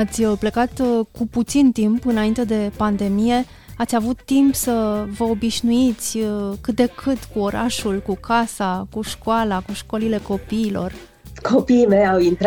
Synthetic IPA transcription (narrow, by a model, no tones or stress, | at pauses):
at̪sʲplekat̪kuput̪sint̪impɨnaint̪e̞d̪e̞pand̪e̞mije̞ | at̪sʲavut̪ːimpsəvəobiʃnuit̪sʲkɨt̪̚d̪e̞kʰɨt̪kuo̞ɾʔaʃulkukʰasakuʃkoalakuʃko̞lile̞ko̞piːlo̞̰r | kʰopiːmejawint̪ɾ